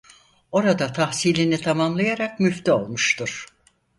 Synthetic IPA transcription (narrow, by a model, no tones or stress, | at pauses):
o̞ɾad̪at̪ʰahsiːlʲinit̪ʰamamlˠajaɾak̚myft̪io̞lˠmuʃt̪ʰuɾ̥